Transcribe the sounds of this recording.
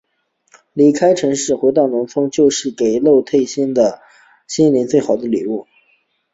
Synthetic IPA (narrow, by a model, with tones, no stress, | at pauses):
li˨˥kʰa˥ɪʈ͡ʂʰɤ˧˥ŋʂɻ̩˥˩xwe˧˥ɪt̪ɑ˥˩ʊnʊ˧˥ŋfɤ˥ŋt͡ɕjo˥˧ʊʂɻ̩˥˩ke˨˩ɪlo˥˧ʊt̪ʰe˥˧ɪɕɛ˥nd̪ə˨ | ɕi˥nli˧˥nt͡swe˥˩ɪxɑ˨˩ʊd̪ə˦li˨˩u˥˩